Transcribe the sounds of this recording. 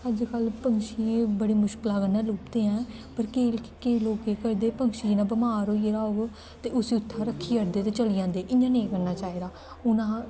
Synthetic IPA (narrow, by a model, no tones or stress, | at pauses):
əd͡ʒkəlpəŋɡʃiːbəɽeːmʊʃkɪlaːɡənːɛːluːpd̪eːɛ̃ːpəɾkeːkeːloːkeːkəɾd̪eːpəŋʃiːd͡ʒinãːbəmaːɾoːieɾaːoːɡ | t̪eːʊsiːʊt̪ʰːaːɾəkʰːiːəɾd̪eːt̪eːt͡ʃəliːjãːnd̪eːʔɪɲãːnẽːkəɾnaːt͡ʃaːiːd̪aː | ʊnãː